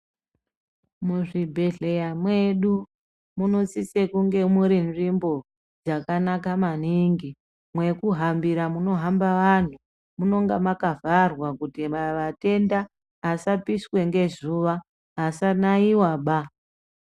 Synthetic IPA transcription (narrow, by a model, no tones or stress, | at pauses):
muʐibʱe̞ɮe̞jamwe̞ɗu | muno̞t͡sisekuŋɡe̞muɾinʐimbo̞ | d͡zakanakamaniŋɡi | mwe̞kuɦambiɾamuno̞ɦambaʋan̤u | muno̞ŋɡamakavarwakutimaʋate̞nda | ɦasapiswe̞ŋɡe̞zuʋa | ɦasanaiwaɓa